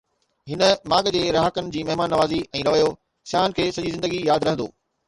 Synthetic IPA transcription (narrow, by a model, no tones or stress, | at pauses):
ɦɪnə̆mãːɠd͡ʑeːɾɐɦəkənɪ̆d͡ʑiːmɐɦmaːnːɐʋaːziɛ̃ːɾɐʋəjo | sjaːnkʰeːsɐd͡ʑizɪ̃nd̪əɡijaːd̪ɾɐɦə̃nd̪o̰ː